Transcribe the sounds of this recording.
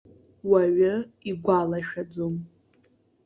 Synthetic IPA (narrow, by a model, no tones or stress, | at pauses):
waɥʊiɡʷalaʃᶣad͡zom